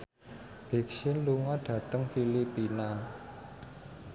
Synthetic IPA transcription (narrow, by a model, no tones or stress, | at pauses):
b̥e̤k̚sɪnluŋɔɖ̥ä̤t̪əŋfilipina